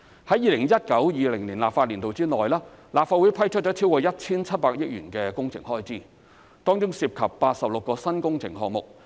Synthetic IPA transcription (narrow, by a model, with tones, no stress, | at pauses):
hɐ˨˥jiː˨lɪ˨˩ŋjɐ˥t̚kɐ˨˥wjiː˨˧lɪ˨˩ŋliː˨˩nlaː˨p̚faː˧t̚liː˨˩nt̪o˨wt͡siː˥ŋɔː˨˩jlaː˥laː˨p̚faː˧wu˨˥jpʰɐ˥jt͡ʃʰɵ˥t͡ʃɔː˨˥t͡sʰi˥wkɔː˧jɐ˥t̚t͡sʰiː˥nt͡sʰɐ˥t̚paː˧k̚jɪ˥k̚jyː˨˩nkɛː˧kʊ˥ŋt͡sʰɪ̰˨˩ŋhɔː˥jt͡siː˥ | t̪ɔː˥ŋt͡ʃʊ˥ŋsiː˧p̚kʰɐ˨pːaː˧t̚sɐ˨p̚lʊ˨kːɔː˧sɐ˥nkʊ˥ŋt͡sʰɪ̰˨˩ŋɦɔ̰ː˧k̚mʊ˨k̚